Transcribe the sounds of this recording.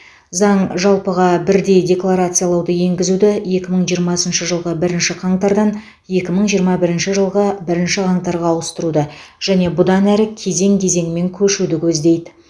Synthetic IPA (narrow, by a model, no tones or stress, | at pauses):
zɑɴʒɑlˠpəʁɑbɪɾd̪e̞jdʲe̞klˠaɾat̪sɨjalˠɑwd̪əje̞ŋɡʲɪzud̪ɪje̞kʲɪməɴʒijəɾmɑsənʃəʒəlˠʁəbɪɾɪnʃɪqʰɑɴt̪ɑɾd̪ɑn | je̞kʲɪməɴʒijəɾmɑbɪɾɪnʃɪʒəlˠʁəbɪɾɪnʃɪqʰɑɴt̪ɑɾʁɑwəst̪əɾud̪əʒ̥æne̞bʊd̪ɑnæɾɪkʲʰe̞ze̞ŋkʲʰe̞ze̞ŋɪme̞ŋkʲʰɵʃud̪ɪkʲʰɵzd̪e̞jd̪ɪ